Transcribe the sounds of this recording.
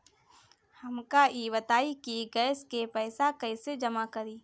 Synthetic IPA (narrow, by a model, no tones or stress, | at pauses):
həmkaibət̪aːikiɡɛːskepɛːsakəɪsed͡ʒəmakəɾiː